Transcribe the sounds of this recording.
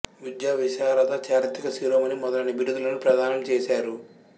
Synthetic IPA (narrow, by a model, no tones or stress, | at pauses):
ʋid̪jaːʋiʃaːɾɐt̪ɐt͡ʃaːɾit̪ikɐsiɾɐmɐnimɔd̪ɐlɐnɐbʱiɾud̪ulɐnupɾɐd̪aːnɐmt͡ʃeːsaːɾu